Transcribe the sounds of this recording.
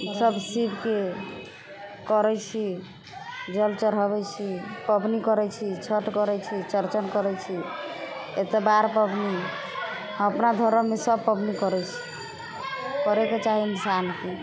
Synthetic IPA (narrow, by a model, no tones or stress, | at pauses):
səbsibʱke | kɔɾɛt͡ʃʰi | d͡ʒəlt͡ʃəɾɦəbɛt͡ʃʰipəbnikɔɾɛt͡ʃʰit͡ʃʰəʈkɔɾɛt͡ʃʰit͡ʃəɾt͡ʃənkɔɾɛt͡ʃʰi | et̪ebaɾpəbni | əpnad̪ʱɔɾəmesəbpəbnikɔɾɛt͡ʃʰi̥ | kɔɾɛket͡ʃaɦiinsanke